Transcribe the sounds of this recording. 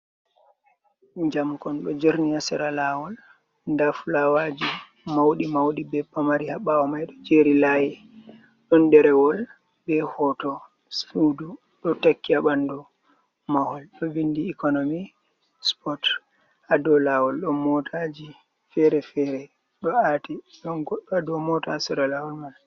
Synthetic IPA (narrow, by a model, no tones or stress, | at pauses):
ɲd͡ʒamkɔnɗɔd͡ʒeɾniasɛɾalawɔl | ndafulawad͡ʒi | mawɗimawɗibɛbamaɾihaɓawɔmajɗɔd͡ʒeɾilajɛ | ɗɔndɛɾɛwɔl | bɛhɔtɔ | sfudu | ɗɔtakːiaɓandɔ | mahɔlɗɔvindiːkɔnomi | spɔt | adɔlawɔlɗɔmɔtʰad͡ʒi | fɛɾɛfɛɾɛ | ɗɔatiɗɔnɡɔɗadɔmɔtasɔɾɔlawɔlmal